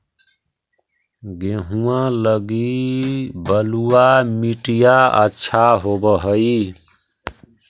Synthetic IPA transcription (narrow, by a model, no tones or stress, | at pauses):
ɡeɦuãləɡi | bəluamiʈijaə̰tːʃʰaɦobəɦəi